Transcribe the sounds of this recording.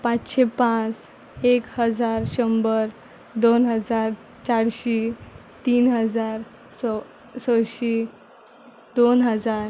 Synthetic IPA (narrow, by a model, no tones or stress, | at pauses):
pat͡sɕepãt͡s | ekhəd͡zaɾɕəmbəɾ | d̪onɦəd͡zaɾ | t͡ɕaɽɕi | t̪iːnɦəd͡zaɾ | s | səɕi | d̪onɦəd͡zaɾ